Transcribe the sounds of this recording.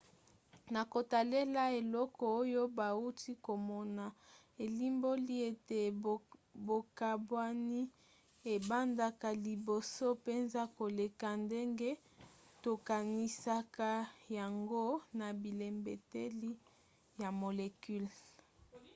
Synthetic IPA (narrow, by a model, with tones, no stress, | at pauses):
na˨ko˨ta˨le˦la˦e˨lɔ˦kɔ˨o˦jo˦ba˨u˦ti˦ko˨mɔ˦na˨ | e˨li˦mbo˦li˦e˦˨te˨ | bo˨ka˨bwa˦ni˦ | e˨ba˦nda˨ka˨li˨bo˨so˦pe˦nza˦ko˨le˨ka˨nde˦ŋɡe˦ | to˨ka˨ni˨sa˦ka˦ja˨ŋɡo˦na˨bi˨le˨mbe˨te˦li˦ | ja˨mo˨le˨ky˦l